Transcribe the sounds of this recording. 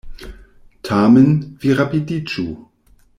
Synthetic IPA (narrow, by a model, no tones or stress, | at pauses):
tʰaːmənviʁapidit͡ʃu